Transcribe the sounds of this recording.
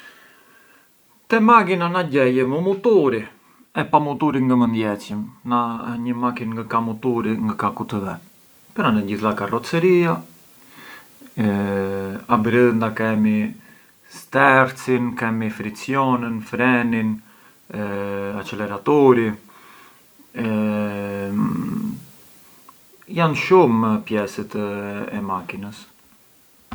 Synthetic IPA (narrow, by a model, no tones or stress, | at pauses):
t̪ɛmakinanaɟɛjɛməmut̪uɾi | ɛpamut̪uɾiŋɡəmənd̪jɛt͡simnaɲəmakinŋɡakamut̪uɾiŋɡakakut̪əðɛ | pəɾanɛɟiθlakarɔt͡səɾia | abɾiðnd̪akɛmi | st̪ɛɾt͡sinkɛmifɾit͡sjɔnənfɾɛnin | at͡ʃɛlɛɾat̪ɔɾi | janʃumpjɛsət̪ɛmakinəs